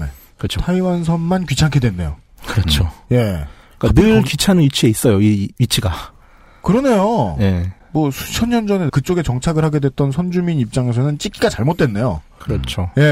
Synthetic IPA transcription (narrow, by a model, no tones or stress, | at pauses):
nḛ | kt͡ɕʰtʰaiwans̬ʰʌnmankɥit͡ɕʰaŋkʰedwenːe̞̰jo̰ | kɯɾʌt͡ɕʰoje̞ | k͈anɯɭkɥit͡ɕʰanɯɥit͡ɕʰie̞is͈ʌjoiɥit͡ɕʰiɡa | kɯɾʌne̞jojemʌsʰu̥t͡ɕʰʌnːʌnd͡ʑʌne̞kɯt͡ɕ͈oɡe̞t͡ɕʌŋt͡ɕʰaɡɯɭhaɡe̞dwe̞t̚t͈ʌnsʰʌnd͡ʑuminip̚t͡ɕ͈aŋe̞sʰʌnɯnt͡ɕ͈ik͈iɡat͡ɕaɭmot͈̚we̞nːe̞jo̰ | kɯɾʌt͡ɕʰoje̞